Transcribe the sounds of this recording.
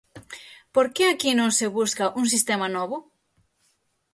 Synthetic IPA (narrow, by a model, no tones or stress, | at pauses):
poɾkeakinõŋseβuskɐʔuŋs̬ist̪emɐnɔβʊ